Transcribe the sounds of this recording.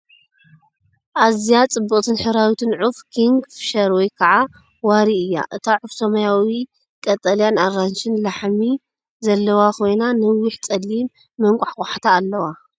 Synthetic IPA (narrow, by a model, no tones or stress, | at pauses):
ʔazijat͡sʼɨbːɨχʼt̪ʰɨnħɨɾawit̪ʰɨnʕufkʰiŋɡfɨ̥ʃɐɾwɔjkʰɐʕa | waɾiɨjːa̰ʔɨt̪ʰaʕʊfsɐmɐjawi | kʼɐt̪ʼɐljanaɾant͡ʃɪnlaħmi | zɐlːɐwakʰo̞jnanɨwɪħt͡sʼɐlːimː | ɐŋkʷʼaħkʼaħat̪ʰaːlːɐwa